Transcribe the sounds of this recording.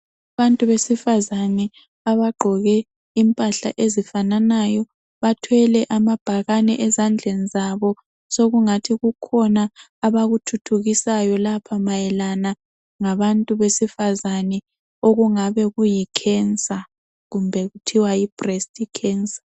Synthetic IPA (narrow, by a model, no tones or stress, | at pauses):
aβantʼuβesifazanɛ | aβaɡ͡ǃʱɔɣɛ | impʼaɬa̰ʔezifananajɔ | βatʰwɛlɛʔamab̥ʱaɣanɛʔɛzand͡ɮʱɛnizaβɔ | soɣuŋatʰiɣukʰɔnaː | βaɣutʰutʰuɣisajɔlapʰamajɛlana | ŋaβantʼuβesifazanɛ | oɣuŋaβɛɣujikʰɛnt͡sʼa | ɣumbʱɛɣutʰiwaib̥ʱrɛstʼikʰɛːnt͡sʼḁ